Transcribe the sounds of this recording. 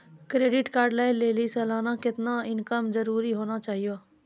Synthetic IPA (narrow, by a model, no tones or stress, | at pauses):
kɾeːɖɪʈkaːɾɖlaːɪlleːlisɛːlaːnakɪt̪naɪnkəmzəɾuːɾiɦoːnat͡ʃaːɦijoː